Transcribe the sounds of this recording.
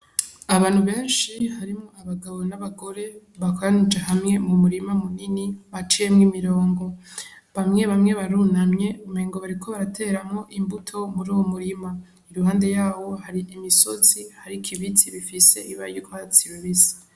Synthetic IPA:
aβaːn̥huβe̞ːnʃiɦaɾimŋo̞aβaɡaβo̞naβaɡo̞ɾe̞ | βakaanid͡ʒeɦamŋe̞mumuɾimamuniniβat͡ʃijemŋimiɾo̞ːŋɡo̞ | βamŋe̞βamŋe̞βaɾunamɲe̞umeːŋɡoβaɾikʰo̞βaɾatʰe̞ɾamŋo̞ʔimbutʰo̞muɾuːwomuɾima | iɾuɦaːnde̞jaːβo̞haɾiʔimiso̞zihaɾikʰiβit͡siβifise̞̰ʔiβa̰jukʰoβat͡siɾweβizi̥

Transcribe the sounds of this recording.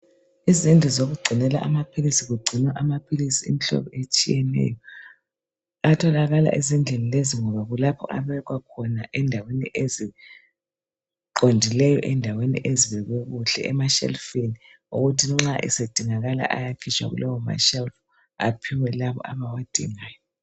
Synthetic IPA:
izind͡ɮʱizoɣuɡ͡ǀʱinɛla̰ʔamapʰilisiɣuɡ͡ǀʱinwaʔamapʰilisiḭmiɬɔ̰βɔet͡ʃʼijɛnɛ̰jɔ | atʰɔlaɣala̰ʔizind͡ɮʱenileziŋɔβaɣulapʰɔ̰ʔaβɛɣwakʰɔnaʔɛndʱaweniʔezi | ǃondʱilɛjɔʔɛndʱawenḭʔeziβɛɣwɛɣuɬɛ̰ɛmaʃɛ̰lfeni | ṵɣutʰiŋ͡ǁaʔḭsed̥ʱiŋaɣala̰ʔa̰jakʰit͡ʃʼwa̰ɣṵlʔɔwɔma̰ʃɛlf | a̰pʰiwɛlaβɔ̰ʔaβawad̥ʱḭŋaːjɔ

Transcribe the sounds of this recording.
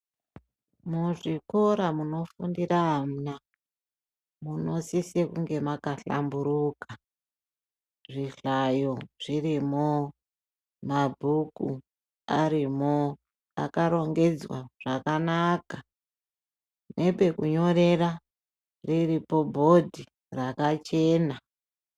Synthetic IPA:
muʐiko̞ɾamuno̞fundiraɦam̩na | muno̞sisekuŋɡe̞makaɬa̰mbuɾuka | ʐiɬajoʐ̥irimo | mabʱuku | aɾimo | a̰kaɾo̞ŋɡe̞d͡zwa̰ʐakanaka | ne̞pe̞kuɲo̞ɾe̞ra | riripo̞bʱo̞dʱi | rakat͡ʃe̞ːna

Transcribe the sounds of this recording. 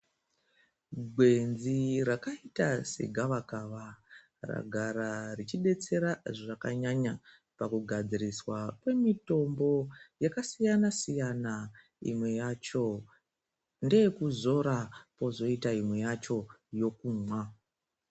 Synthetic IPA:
ɡʱwe̞nzirakaitase̞̰ɡʱaʋakaːʋa | ra̰ɡʱaɾarit͡ʃiɓe̞t͡se̞ɾaʐakaɲaɲa | pakuɡʱad͡ziriswakwe̞mito̞mbo̞jakasijanasijana | ḭmwe̞jat͡ʃo̞ | nde̞kuzo̞ɾapo̞zo̞itaimwe̞jat͡ʃo̞jo̞kuːmwa

